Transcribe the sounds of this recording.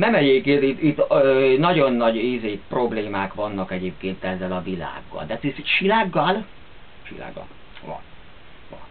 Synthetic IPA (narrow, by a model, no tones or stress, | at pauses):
nɛmɛɟeːp̚keːnt̪it̪it̪ːønɒɟo̞nːɒɟizeːkpro̞bleːmaːkʋɒnːɒkɛɟeːp̚keːnt̪ɛzːɛlɒvila̰ːɡːɒ̰ld̪ɛt̪isʃilaːɡːɒl | ʃḭla̰ːɡːɒ̰l | ʋɒ̰n | vɒ̰n